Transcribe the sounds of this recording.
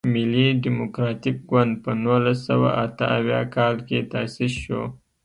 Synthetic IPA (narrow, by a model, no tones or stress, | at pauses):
mɪliɖimʊkɾɑt̪ik̚ɡwand̪̚pənulasawa̰ʔat̪əawjɑ̰kɑlket̪asisʃo̰